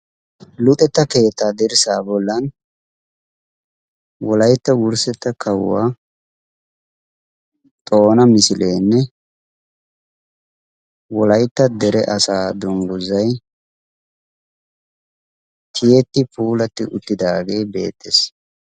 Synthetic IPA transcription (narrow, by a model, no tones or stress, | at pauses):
lʊt̪ʼɛt̪ːɐke̞ːt̪ːaːd̪ɛɾɪsaːbɔlːɐn | wɔlɐjt̪ːɐwʊɾsɛt̪ːɐkʰɐw̰ːa̰ː | t̪ʼo̞ːnɐmɪsɪle̞ːnːɛ | wɔlɐjt̪ːɐd̪ɛɾɛ̰ʔɐsaːd̪ʊŋɡʊzɐj | t̪ʰɪjet̪ːɪpuːlɐt̪ːɪʔʊt̪ːɪd̪aːɡe̞ːbe̞̰ːt̪ːes